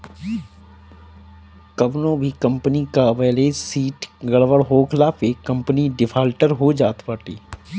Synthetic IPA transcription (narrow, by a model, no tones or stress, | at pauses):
kɐbnõːbʱikɐ̃mpənikaʋɛːlesiːʈɡɐɭʋəɽɦoːkʰɪlaːpeːkːɐ̃mpniɖɪpʰaːlʈəɾɦod͡ʒaːt̪paːʈiː